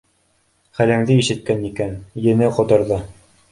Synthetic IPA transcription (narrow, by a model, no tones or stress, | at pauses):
χælæŋðɘiʃɘ̆t̪̚kænikænjɘ̆nɘqŏt̪ɤ̆ɾðɤ